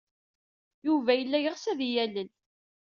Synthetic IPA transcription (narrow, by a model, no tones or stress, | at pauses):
juvæjəlːæjəʁsæðijælən